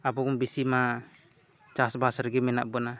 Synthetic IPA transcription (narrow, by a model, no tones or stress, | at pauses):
abɔkumbisima | t͡ʃasbasəɾɡɛmɛna̰ʔbɔna